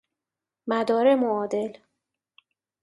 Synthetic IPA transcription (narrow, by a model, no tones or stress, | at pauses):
mæd̪ɒːɾemoɒːd̪e̞l